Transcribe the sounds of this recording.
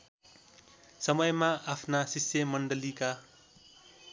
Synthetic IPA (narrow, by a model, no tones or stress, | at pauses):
sʌmʌjmaapʰnasisjʌmʌɳɖʌlika